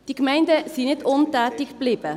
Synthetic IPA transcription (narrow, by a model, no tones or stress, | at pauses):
d̥ikmɛɪndəsinɪtʊntæːtɪkb̥lɪbə